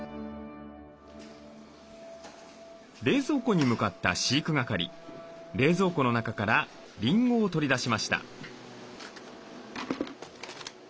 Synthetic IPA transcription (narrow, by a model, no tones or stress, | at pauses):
ɾe̞ːzo̞ːko̞ɲ̟imɯ̟kat̪ːa̰ɕiːkɯ̟ɡakaɾʲḭ | ɾe̞ːzo̞ːko̞no̞nakakaɾa | ɾʲĩŋɡo̞ːt̪o̞ɾʲid̪aɕimaɕi̥t̪a̰